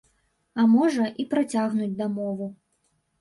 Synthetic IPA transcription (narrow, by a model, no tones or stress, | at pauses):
ɐmɔʐɐʔipɾat͡sʲaɣnud͡zʲd̪amɔvu